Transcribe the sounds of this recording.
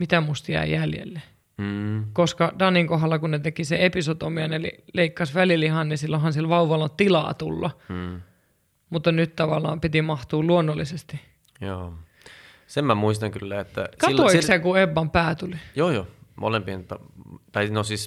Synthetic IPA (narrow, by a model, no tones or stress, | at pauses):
mit̪æmust̪jæ̰ijæljḛlːe | koskɑdɑnːiŋkoɦɑlːɑkunnet̪ekiseepisot̪omiɑnelḭleikːɑsʋælilihɑnnisilːohɑnsilʋɑuʋɑlːɑt̪ilɑ̰ːt̪ṵlːɑ | mut̪ːɑnyt̪t̪ɑʋɑlːˑɑ̰ːmpit̪imɑht̪uːluonːolːisest̪i | joː | semmæmuist̪ɑŋkylːæet̪ːæ̰skɑit̪ːoikssɑkueʋːɑmpæːt̪ulijoːjoːmo̰lempint̪ːɑt̪ɑnosis